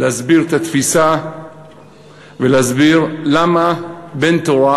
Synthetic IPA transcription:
lehazbiʁt̪at̪fisa | veleazbiʁlamabe̞nt̪oʁa

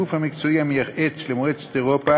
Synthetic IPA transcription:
ufhamikt͡soiamiaχet͡slemoet͡st̪eʁopa

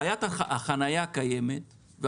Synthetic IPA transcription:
jat̪aaχanajakajemet̪ | ve

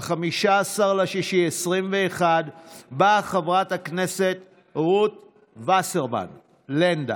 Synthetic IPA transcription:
χamiʃaːsaʁleʃiʃiesʁimveːχad̪baχevʁat̪hakne̞set̪ | ʁut̪̚ | vaseʁma̰n | lend̪a̰

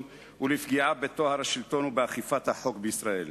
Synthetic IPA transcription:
ulifɡiʕabet̪ohaɾhaʃilt̪onubeaχifat̪haħokbeisɾaʔel

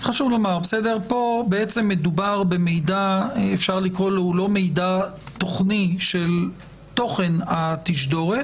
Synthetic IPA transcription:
χaʃuvlomaʁbesedeʁpo̞beet͡se̞mːe̞dubaʁbe̞mejdaefʃaʁlikʁo̞loulo̞me̞jdat̪oχniʃel | t̪o̞χe̞nat̪iʃdo̞ʁet

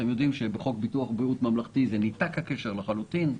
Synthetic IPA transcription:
t̪emjo̞d̪imʃebeχo̞kbit̪uaχbʁiut̪mamlaχt̪izenit̪akhake̞ʃeʁlaχalut̪in

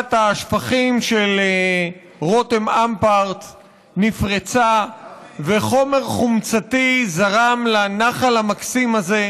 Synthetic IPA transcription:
taʃfaχimʃele | ʁo̞temampaʁt̪ | nifʁet͡sa | veχo̞me̞ʁχumt͡sat̪izaʁamlanaχalamaksimaze̞

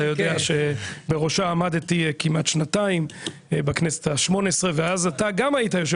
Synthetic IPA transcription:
ajo̞deaʃebeʁo̞ʃaːmad̪tikimat̪ʃnataim | baknese̥t̪aʃmo̞nesʁe̞veazataɡamaitajo̞ʃe

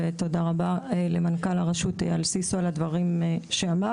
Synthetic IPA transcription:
et̪o̞daʁabaelemankalaʁaʃutḛalsisualadvaʁimʃeama

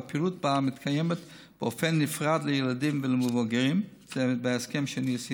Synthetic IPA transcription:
pilut̚bamɪtkʰajɛmət | b̥ɪofɛnːɪfʁadlɪjɛlˠadimvɪlɪmʊvɔɡəɾimz̥ɛbɪaskɛmʃɛnisi

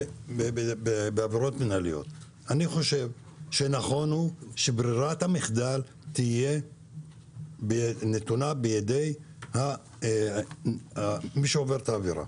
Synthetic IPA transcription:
beebebeaviʁo̞tminalijo̞̰t̪ | aniχo̞ʃe̞v | ʃenaχo̞nhuʃebʁiʁathamiχd̪al | t̪ije̞ | benet̪unabejad̪ej | ha | amiʃeoveʁt̪aːviʁa̰

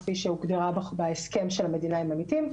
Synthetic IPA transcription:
fiʃeuɡdeʁabbeeske̞mʃelhame̞dinaimamitim

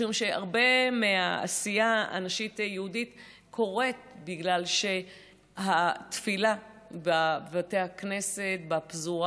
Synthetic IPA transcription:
ʃumʃea̰ʁbe̞meaa̰sijaa̰naʃitjehudit | kʰo̞ʁet̪̚biɡlalʃe̞ | hat̪fila | bavatehakne̞se̞tbapzu

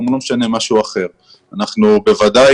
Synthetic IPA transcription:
mlo̞mʃane̞maʃuaχe̞ʁ | anaχnube̞vad̪a

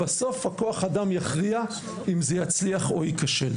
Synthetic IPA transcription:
baso̞fhakoaχadamjaχʁia | imzejat͡sliaχoikaʃel

